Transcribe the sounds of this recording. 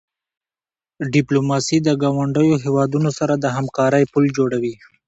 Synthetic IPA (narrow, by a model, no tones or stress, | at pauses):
ɖɪplomɑsid̪əɡɑwaɳɖəjoɦewɑd̪unosaɾad̪əɦamkɑɾəjpuld͡ʒoɽawi